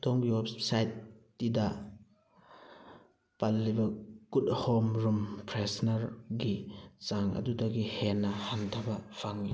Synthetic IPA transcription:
dɔŋbiwep̚sajtː | idɐ | palːibɐɡuthomɾumpʰɾesnɐɾɡizaŋɐ̰dudɐɡihenːɐhantʰɐbɐpʰaŋi

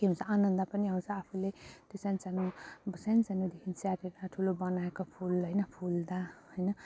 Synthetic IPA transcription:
keɦunt͡sʰʌanʌnd̪ʌpʌniɦawnst͡sʰʌapʰulet̪esanit͡sanubʌsanit͡sanud̪ekʰint͡saʈeɾaʈʰulobʌnaekopʰulɦʌjnʌpʰuld̪ahʌjnʌ

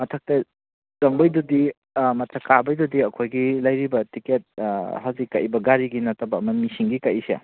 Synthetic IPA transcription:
mɐtʰɐk̚tɐ | zɐŋbɐjdudi | mɐtʰɐkːabɐjdudiɐkʰojɡilɐjɾibɐtiket̚hawzikːaʔibɐɡaɾiɡinɐtɐbɐɐmɐmisiŋɡikaʔisḛ

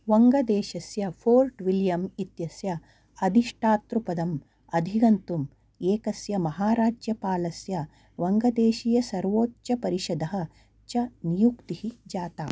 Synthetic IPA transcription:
ʋɐŋɡɐd̪eːʃɐsjɐfʰoːlʈʋiljɐmit̪jɐsjɐ | ɐd̪ʱiʂʈʰaːt̪ɾupɐd̪ɐm | ɐd̪ʱiɡɐnt̪um | eːkɐsjɐmɐɦaːɾaːd͡ʒjɐpaːlɐsjɐ | ʋɐŋɡɐd̪eːʃijɐsɐɾʋoːtt͡ʃɐpɐɾiʃɐd̪ɐɦɐ̆ | t͡ʃɐnijukt̪ihid͡ʒaːt̪a̰ː

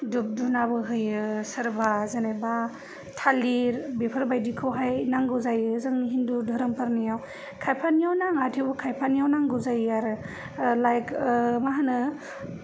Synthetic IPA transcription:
dup̚dunabɯɦɯjɯsɯɾbazanajba | tʰaliɾbepʰəɾbajdikʰɯwɦajnaŋɡuzajɯzɯŋɦindudʱɔɾɯmpʰaɾnijaw | kʰajpʰanjawnaŋatʰiwbukʰajpʰanjawnaŋɡuzajaɾɯ | lajkmaɦanɯ

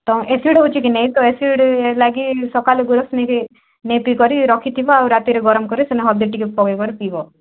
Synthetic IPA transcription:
t̪ɔ̃ʔesiɽɦot͡ʃʰikinej̃t̪ɔesiɽlaɡisɔkaleɡuɾɔsneke | nejpikɔɾiɾɔkʰit̪ʰibɔawɾat̪iɾeɡɔɾɔmkɔɾiseneɦɔd̪iʈikepɔɡekɔɾipibɔ

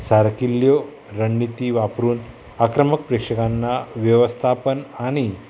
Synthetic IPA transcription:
saɾkiljo | ɾəɳːit̪iːʋapɾuːn | akɾəmək̚pɾekʂəkanːaʋjəʋəst̪ʰapənaɽ̃i

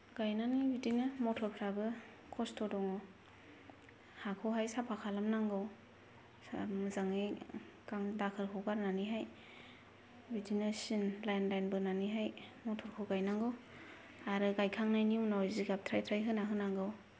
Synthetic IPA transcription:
ɡajnanibidinɯmɔtʰɔɾpʰɾabɯ | kʰɔstʰɔdɔŋɔ | hakʰɔɦajsapʰakʰalamnaŋɡɯw | mɯzaŋɯ | kaŋdakʰɯɾkʰɔɡaɾnaniɦaj | bidinɯsinlajnlajnbɯnaniɦajmɔtʰɔɾkʰɔɡajnaŋɡɯw | aɾɯɡajkʰaŋnajniunawziɡap̚tʰɾajtʰɾajɦɯnaɦɯnaŋɡɯw

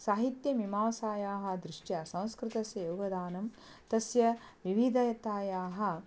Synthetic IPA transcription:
saːɦit̪jɐmimaːʋɐsaːjaːɦɐ̆d̪ɾɪʂʈjɐsɐ̃w̃skɾɪt̪ɐsjɐjoːɡɐd̪aːnɐm | t̪ɐsjɐʋiʋid̪ʱɐɐt̪aːjaːɦɐ̆

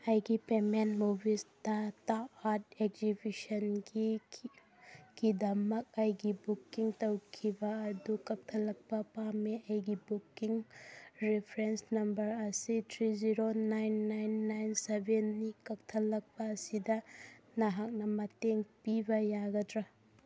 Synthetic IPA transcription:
ɐjɡipemenmubʱistataatekzibisɐnɡi | ɡ̥idɐmɐk̚ɐjɡibukiŋtɐwkʰibɐːdukɐk̚tʰɐlɐk̚pɐpameɐjɡibukiŋɾepʰɾensnɐmbɐɾɐsitʰɾiziɾonajnːajnːajnsebʱenːikɐk̚tʰɐlːɐk̚pɐːsidɐnɐɦak̚nɐmɐteŋpibɐjaɡɐdɾɐ

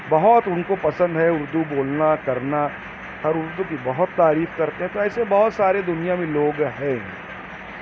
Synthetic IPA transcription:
bɐɦʊt̪ʊnkopɐsə̃nd̪ɦɛʊɾd̪uboːlnakɐɾna | hɐɾʊɾd̪uk̬ibɐɦʊt̪ːaːɾiːfkɐɾt̪eɦɛ̃t̪oɛːsebɐɦʊt̪saːɾed̪ʊnijamẽloːɡɦɛ̃ː

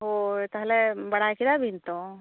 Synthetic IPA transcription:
ɦot̪əɦlebəɽ̤akid̪abʱint̪o

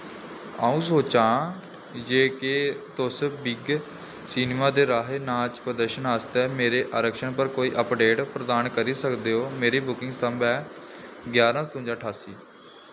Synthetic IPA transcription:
aːũːsoːt͡ʃãː | d͡ʒeːket̪ʊsbɪɡ | siːneːmaːd̪eːɾaːɦeːnãːt͡ʃpɾəd̪əɾʃənaːst̪ɛːmeːɾeːʔaːɾəkʃəɳpəɾkoːiːʔəpɖeːʈpɾəd̪aːnkəɾiːsəkd̪eːɦoːmeːɾiːbʊkɪ̃ŋɡst̪əmbɛː | ɡjaːɾãːst̪ʊ̃ːɲd͡ʒãːʈʰaːsiː

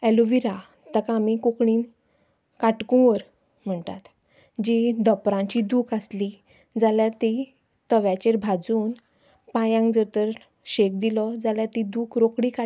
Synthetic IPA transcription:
ɛluʋiɾa | t̪əkamikokɳiːn | kaʈkũʋəɾ | m̤əɳt̪a̰t̪ | d͡ʑid̪əpɾãɲt͡ɕid̪uːkasli | d͡zaljaɾt̪i | t̪əʋjat͡ɕeɾbʱad͡zuːn | pãjãŋkd͡zəɾt̪əɾ | ɕek̚d̪ilɔd͡zaljaɾt̪id̪uːkɾokɽika

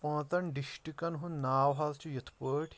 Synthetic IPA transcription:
pɐ̃ːt̪ɐɳɖiʃʈikɐnɦunnaːwɦɐlt͡ʃʰujɐt̪ʰpəːʈʰ

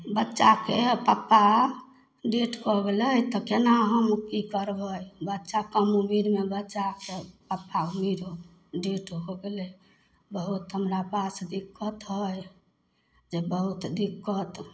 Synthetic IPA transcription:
bətːʃakepapːa | ɖeʈkɔɡeləjt̪ɔkenaɦəmkikəɾbəjbətːʃakəmumiɾmebətːt͡ʃakepapːaumiɾo | ɖeʈɦoɡele | bəɦut̪ɦəmɾapasd̪ikːət̪ɦəj | d͡ʒebəɦut̪d̪ikːət̪

